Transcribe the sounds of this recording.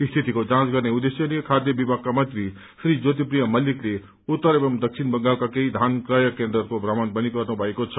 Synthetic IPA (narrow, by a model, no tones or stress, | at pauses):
ist̪ʰit̪ikod͡zãt͡sɡʌrneud̪esjʌnikʰad̪jʌbibʱaɡ̚kːamʌnt̪ri | sɾid͡zot̪̬ipɾijʌmʌlikle | ut̪ːəɾebʌmd̪ʌk̚t͡sʰinbʌŋɡalkakeid̪ʱankɾajʌkend̪ʌkobrʌmʌnbʌniɡʌrnubʱʌekot͡sʰʌ